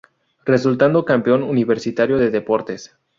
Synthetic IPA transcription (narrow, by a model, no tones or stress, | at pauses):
re̞sult̪and̪o̞kampeo̞nuniβe̞ɾsit̪aɾjo̞ðeðe̞po̞ɾt̪e̞s